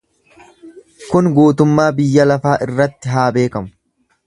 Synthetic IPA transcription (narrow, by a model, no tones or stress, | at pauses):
kʊnɡuːt̪ʊmːaːbɪjːɐlɐfaːʔɪrːɐt̪ːɪɦaːbe̞ːkɐmʊ̥